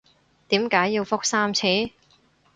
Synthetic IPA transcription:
t̪iː˨˥mkaː˨˥jːi˧wfʊ˥k̚saː˥mt͡sʰiː˨˥

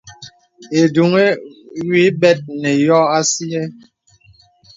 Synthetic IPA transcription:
e˨du˨ŋe˦wi˦bɛ˦t̚nɛ˨jɔ˦a˦si˦ɛ˦

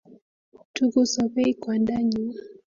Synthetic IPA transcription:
tu˦ku˦sɔ˨pɛ˦i˦kwanda˦ɲua

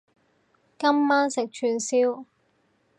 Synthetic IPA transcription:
kɐ˥mːaː˥nsɪ˨k̚t͡ʃʰyː˧nsiː˥w

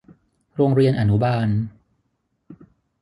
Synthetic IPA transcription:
ɾoː˧ŋɾi˧ənʔa˨˩nu˦baː˧n

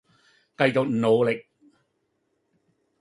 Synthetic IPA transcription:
kɐ˧jt͡so˨k̚n̩˨no˨˩wlɪ˨k̚

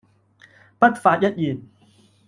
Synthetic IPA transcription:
pɐ˦˥t̪̚faː˧˩t̚jɐ˦˥t̪̚ji˨˩t̚

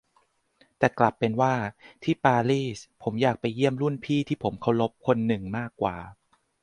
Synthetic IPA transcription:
t̪ɛː˨˩kla˨˩pːe˧nwaː˥˩t̪ʰiː˥˩paː˧liː˥˩spʰo˩˦mjaː˨˩k̚pa˧jːi˥˩əmɾu˥˩npʰiː˥˩t̪ʰiː˥˩pʰo˩˦mkʰa˧˩wlo˦˥p̚kʰo˧nːɯ˨˩ŋmaː˥˩kːwa̰ː˨˩

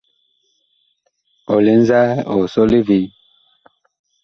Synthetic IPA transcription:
ɔ˨li˦n˦za˦ɔ˨sɔ˦li˦vi˨˦

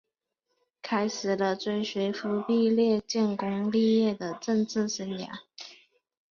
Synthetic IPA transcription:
kʰa˥ɪʂɻ̩˨˩lə˦t͡swe˥ɪɕɥe˧˥ɪfu˧˥pi˥˧ljɛ˥˧t͡ɕɛ˥˩nkʊ˥ŋli˥˧jɛ˥˩d̪ə˩ʈ͡ʂə˥˧ŋt͡sɹ̩˥˩sə˧˥nja̰˨˥˦

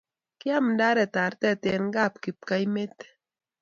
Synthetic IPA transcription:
ki˦a˦mnda˦ɾɛ˨t̪a˨ɾt̪ɛ˦˨t̪e˨nɡa˦˨p̚ki˨p̚ka˦jme˦t̪

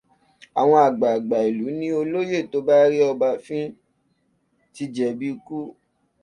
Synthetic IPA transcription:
a˨w̃ɔ̃˧a˨ɡ͡ba˨a˨ɡ͡ba˨i˨lu˨˦nĩ˦o˧lo˦je˦˨to˨˦ba˦ɾi˦ɔ˧ba˧fĩ˦ | ti˧˦d͡ʒɛ˨bi˦˧˦ku˦

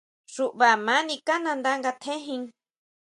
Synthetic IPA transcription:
ʐu˧ʔβa˨mãː˨˦nĩ˧ka˦nã˧nd̪a˦ŋɡa˧t̪ʰẽ˦ɦĩ˧ŋ

